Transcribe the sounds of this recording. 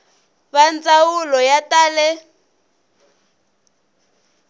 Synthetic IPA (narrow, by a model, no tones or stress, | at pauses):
βand͡zawulɔjataːlɛ